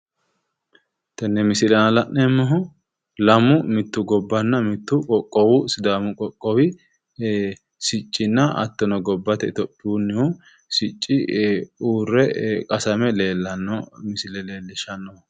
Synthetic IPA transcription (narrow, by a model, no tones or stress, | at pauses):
t̪ɐnːɛmɪsɪlɐnɐlɐʔnɛmːɔɦʊ | lɐmʊmɪt̪ːʊɡɔbːɐnːɐmɪt̪ːʊkʼɔkʼːɔwʊsɪd̪aːmʊkʼɔkʼːɔwɪ | sɪt͡ʃʼːɪnːɐɐ̰t̪ːɔnɔɡɔbːɐt̪ɛt̪ɔpʼːɪunːɛwʊ | sɪt͡ʃʼːɪuːrːɛkʼɐsɐmɛleːlːɐnːɔmɪsɪlɛleːlːɪʃɐnːɔhʊ